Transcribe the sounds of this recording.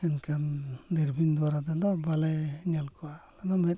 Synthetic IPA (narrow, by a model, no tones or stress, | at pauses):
ɛnkʰad̪iɾbʱind̪uwaɾad̪ad̪ɔbalajɲalkʰɔalad̪ɔmɛt̪̚